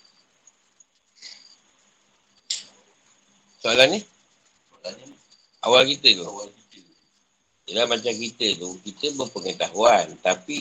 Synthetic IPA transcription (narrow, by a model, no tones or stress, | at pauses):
salane | a̰walkit̪elo | elamat͡ʃak̬it̪eðokit̪embopoket̪aɦwant̪api